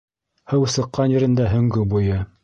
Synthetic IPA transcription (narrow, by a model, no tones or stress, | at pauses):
hɤwsɤ̆qːɑnjɘ̆ɾɘ̆nd̪æɦɵ̆ŋɡɵbujɤ